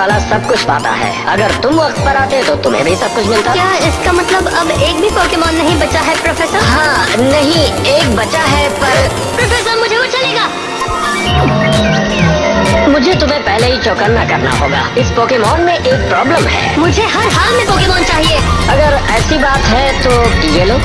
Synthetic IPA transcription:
aːlasɐb̚kʊt͡ʃʰba̰ːt̪a̰ɦɛ̰ːɐ̰ɡəɾt̪ʊmʋɐqt̪̚pɐɾaːt̪eɦɛ̃t̪ot̪ʊmɦḛ̃bʱisɐb̚kʊt͡ʃʰmɪlt̪akjaːɪskamɐt̪ləbɐbeːkbʱipoːkemɔːnːɐɦĩbɐtːʃaɦɛpɾofɛːsəɾɦãːnɐɦĩeːk̚bɐtːʃaɦɛpɐɾ | pɾɐfɛːsəɾmʊd͡ʒʱepot͡ʃɐleːɡaː | mʊd͡ʒʱet̪ʊm̤ẽpɛɦleɦit͡ʃoːkənːakɐɾna̰ɦo̰ːɡa̰ːɪspoːkemɔːnmẽʔeːk̚pɾɔːbləmɦɛ̰ːmʊd͡ʒʱeɦɐɾɦaːlmẽpoːkemɔːnt͡ʃaːɦieːɐɡəɾɛːsibaːt̪ɦɛt̪oːʈieːloː

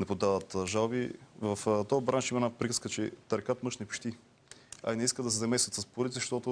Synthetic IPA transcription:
nɛpod̪avət̪ʒalˠbivɐft̪ɔbɾanʃimɐɛnapɾikə̥skət͡ʃɛt̪ɐɾkat̪mɤʃnɛpʃt̪i | ɐ̰inɛiskəd̪ɐsɛzɐmɛsvʲət̪səspʊɾit̪zɐʃt̪ɔt̪ʊ

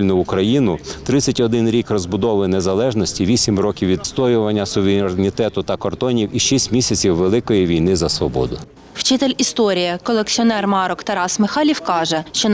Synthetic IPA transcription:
lʲnʊʊkɾɐjinʊt̪ɾɪt͡sʲːɐtʲɔd̪ɪnɾʲikrɔzbʊd̪ɔʋɪnezɐlˠɛʒnɔsʲtʲiʋʲisʲimrɔkʲiwʋʲid̪st̪ɔjʊʋɐnʲːɐsʊʋeɾʲɾnʲit̪ɛt̪ʊt̪ɐkɔrd̪ɔnʲiwiʃisʲtʲmʲisʲɐt͡sʲiwʋelˠɪkɔjiʋʲijnɪzɐsʋɔbɔ̰d̪ʊ | wt͡ʃɪt̪elʲist̪ɔɾʲijɐkɔlˠekt͡sʲiɔnɛrmɑɾɔkt̪ɐɾɑsmɪxɑlʲiwkɑʒɛʃt͡ʃɔ

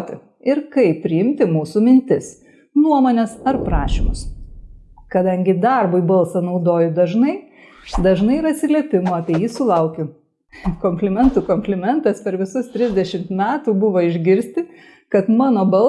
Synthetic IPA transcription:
t̪ʲɪ̰ | ɪɾkɐɪpʲːɾʲɪɪmʲt̪ʲɪmuːsuːmʲɪnʲt̪ʲɪs | nuɔmoːnʲɛsɐɾpɾɑːʃʲḭmʊs | kɐd̪ɐŋʲɡʲɪd̪ɐrbʊɪbɐlˠsɐnɐʊd̪oːjʊd̪ɐʒnɐɪ | d̪ɐʒnɐɪiɾɐt̪ʲsʲɪlʲiɛpʲɪmuɐpʲiɛjiːsʊlˠɐʊkʲʊ | komʲpʲlʲɪmʲɛnt̪uːkɔmʲpʲlʲɪmʲɛnt̪ɐspʲɛɾʋʲɪsʊst̪ʲɾʲɪzʲd̪ʲɛʃʲɪmt̪mʲæːt̪uːbʊʋoːɪʒʲɡʲɪɾʲsʲt̪ʲɪ | kɐt̪mɑːnoːbɐlˠ

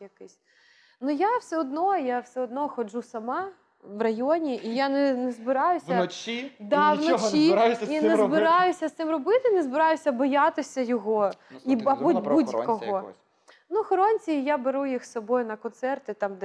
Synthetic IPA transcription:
jɐkɪsʲ | nujawsɛɔd̪nɔjawsɛɔd̪nɔxɔd͡ʒusɐmɑ | ʋrɐjɔnʲiʔijanɛnɛzbɪɾɑjʊsʲɐnt͡ʃid̪ɑʋnɔt͡ʃijjanɛzbɪɾɑjʊsʲɐst̪ɪmrɔbɪt̪ɪnɛzbɪɾɑjʊsʲɐbɔjat̪ɪsʲɐjɔɦɔiɐbubudʲjkɔɦɔ | nuxɔɾɔnʲt͡sʲijabeɾujixsɔbɔjʊnɐkɔnt̪sɛrt̪ɪt̪ɑmd̪ɛ

